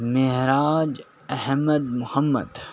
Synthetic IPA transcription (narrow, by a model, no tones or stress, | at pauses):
mɪɦɾaːd͡ʒ | ɐhməd̪mʊhəmːə̰d̪